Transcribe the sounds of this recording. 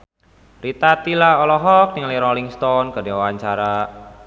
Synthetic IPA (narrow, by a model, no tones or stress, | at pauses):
rit̪at̪ilaɔlɔɦɔk̚nɪŋliɾɔliŋst̪ɔnɡ̥a̤dewwaɲt͡ʃaɾa